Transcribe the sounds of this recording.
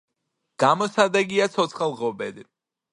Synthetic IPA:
ɡ̥amɔsad̪ɛɡiat̪sʰɔt̪sʰχalˠʁɔbɛd̪i

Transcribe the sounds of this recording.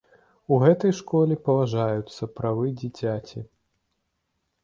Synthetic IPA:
uɣɛt̪ɐjʂkɔlʲipɐvaʐajut̪sːɐpɾavɨd͡zʲit͡sʲat͡sʲi

